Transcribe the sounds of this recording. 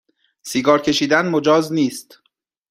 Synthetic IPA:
siːɡɒːɾcʰe̞ʃiːd̪ænmod͡ʒɒːzniːst̪

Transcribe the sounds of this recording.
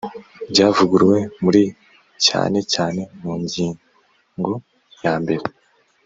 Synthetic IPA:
bɟaːvuɡuɾwe̞muɾi | ca̰ːne̞caːne̞muːɲɟiːŋ | ŋɡo̞ | jaːmbe̞ɾe

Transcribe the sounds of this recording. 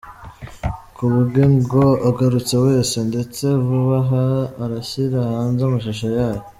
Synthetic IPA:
kuβuɡeŋɡoaɡaɾut͡se̞we̞ːse̞nde̞t͡se̞vuβaɦaːɾaçiɾahaːnzamaʃaʃajaːjo

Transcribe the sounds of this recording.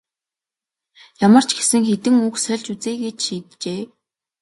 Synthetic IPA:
jamə̆r̥t͡ɕʰɡe̥sɘ̆ŋxet̪ɘ̆ŋuːksœɮt͡ɕut͡seːɡeːt͡ɕʃiːt̪t͡ɕeː

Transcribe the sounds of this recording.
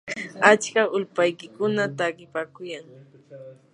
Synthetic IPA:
at͡ʃkaʊlpajkɪkʊnat̪akɪpakʊjaŋ

